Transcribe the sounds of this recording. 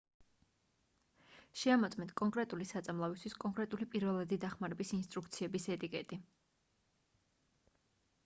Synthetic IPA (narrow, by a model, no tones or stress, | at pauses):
ʃɛamɔt̪sʼmɛnt̪ʰkʼɔŋkʼɾɛt̪ʼulisat̪sʼamlˠavist̪ʰwiskʼɔŋkʼɾɛt̪ʼulipʼiɾvɛlˠad̪id̪aχmaɾɛbisinst̪ʼɾukʰt̪sʰiɛbisɛt̪ʼikʼɛt̪ʼi